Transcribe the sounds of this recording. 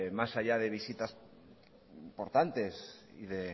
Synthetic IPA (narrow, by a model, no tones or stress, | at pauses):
masaʎað̞e̞β̞isit̪as | poɾt̪ant̪e̞sḭðe